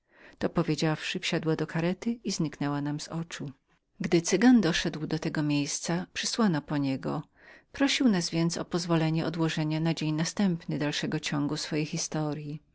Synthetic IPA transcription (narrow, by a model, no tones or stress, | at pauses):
t̪ɔpɔvʲjed͡ʑafʂɘfɕad̪wad̪ɔkaɾɛt̪ɘizɲiknɛwanamzɔt͡ʂu | ɡd̪ɘt̪sɘɡand̪ɔʂɛd̪wd̪ɔt̪ɛɡɔmʲjejst̪sapʂɘswanɔpɔɲɛɡɔ̰ | pɾɔɕiwnazvʲjɛnt̪sɔpɔzvɔlɛɲɛʔɔd̪wɔʐɛɲanad͡ʑeɲnast̪ɛmpnɘd̪alʂɛɡɔt͡ɕɔŋɡusfɔjejxʲist̪ɔɾji